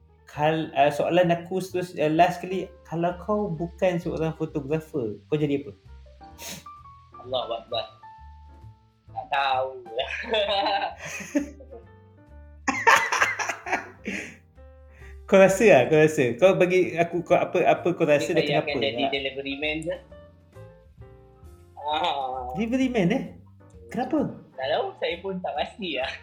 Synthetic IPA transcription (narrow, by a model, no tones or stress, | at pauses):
kʰaləsoʔa̰lanakusət̪usəlaskalikalawkʰawbukansəo̰ɾaŋfot̪oɡɾafəkawd͡ʒadiapə | ɑlːɔhwak̚bat̚ | naʔt̪aula | koɾasəahkoɾasəkalobaɡiakukoʔapəʔapəkoraədajkanakaəd͡ʒaəidelivəɾimɛ̃nla | alivəɾimɛ̃nɛh | kənapək̪aʔd̪ausajəpʊnt̪aʔmast̪iah